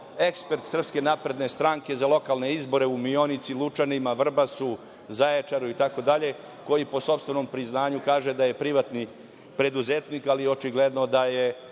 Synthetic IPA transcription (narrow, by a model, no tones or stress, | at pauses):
e̞kspe̞ɾt̪sr̩pske̞napɾe̞d̪ne̞st̪ɾaːŋke̞zalˠo̞kalˠne̞izbo̞ɾe̞umio̞nit̪silˠut͡ʃanimaʋr̩basu | zaet͡ʃaɾuit̪ako̞d̪aʎe̞ | ko̞jipo̞so̞pst̪ʋeno̞mpɾiznaːɲukaːʒe̞d̪aje̞pɾiʋat̪ni | pɾe̞d̪uzet̪niːkalio̞t͡ʃiɡled̪no̞d̪aje